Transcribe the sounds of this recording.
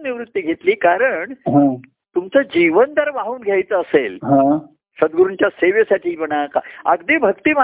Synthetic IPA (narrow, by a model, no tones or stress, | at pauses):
niʋɾut̪ːiɡʱet̪liːkaɾəɳɦã | t̪umt͡səd͡ʑiʋənd̪əɾʋaɦuːnɡʱjajt͡səːselɦã | ɕəd̪ɡəɾuɳt͡ɕjaseʋesaʈʰiːpəɳaka̰ə̰ɡd̪ebʱəkt̪iːma